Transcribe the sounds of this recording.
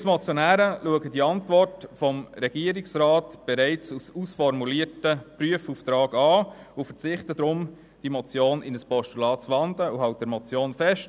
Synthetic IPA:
smɔt͡sjɔnæːɾəluəɡəd̥iɑntvɔrtfɔmɾɛɡ̥iəɾɪksɾɑːtb̥ɛɾɛɪt͡sususfɔɾmuliətəpryəfuft̪ɾɑːɡɑː | ʊfət͡sɪχtəd̪ɾʊm | d̥imɔt͡sjoːnɪnəspɔʃtulɑːtt͡sʋɑndləuɦɑʊt̚d̥ɛɾmɔt͡sjoːnfɛʃt

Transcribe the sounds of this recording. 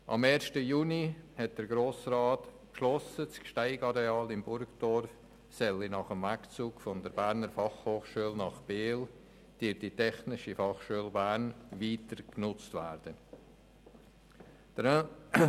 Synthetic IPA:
ʔɑ̰meːɾʃtəjuːnihɛt̚d̥əɾɡɾoːsrɑːt | kʃlɔsət͡skʃtaɪɡɑɾeɑːlɪmbʊɾkd̥ɔɾf | sɛlinɑχəmvækt͡suːɡfɔndəɾbæɾnəɾfɑχhoːχʃuəlnɑχb̥eːl | d̥ɪditʰɛχnɪʃifɑχʃuəlbæːɾnviːtəɾknʊt͡stvæɾd̥ə

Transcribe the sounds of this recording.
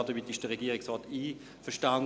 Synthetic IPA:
dəʋitɪʃd̥əʁɛɡiːəʁɪksʁɑːtiː | fəɐʃtan

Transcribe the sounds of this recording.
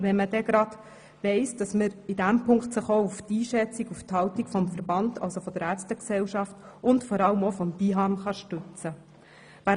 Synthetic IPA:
ʋɛnməd̥ɛɡ̥ɾɑd̥ | ʋɛɪsd̥ɑsməɾɪdæmpʰʊŋktsəχouftiːʃɛt͡sikufthɑltikfɔmfəɾbɑndʰɑ̰lsofɔd̥əɾæːɾstəksɛwʃɑftʔʊntfɔɾɑləmofɔmbiɦɑnχɑʃtʉt͡sə | ʋæ

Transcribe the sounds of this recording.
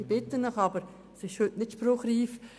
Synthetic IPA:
b̥ɪt̪ənːəχɑbəɾ | sɪʃhʉtnɪtʃpɾʊχɾiːf

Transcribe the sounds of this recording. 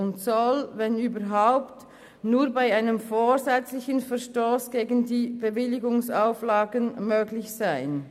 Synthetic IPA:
ʊntsɔlvɛnyːbɐɦaʊpt | nuːbaɪaɪnəmfoːzɛt͡slɪçənfɛɐʁʃtoːsɡ̥eːɡən̩diːb̥evɪlɪɡʊŋsaʊflaːɡənmøːɡlɪçsaɪn

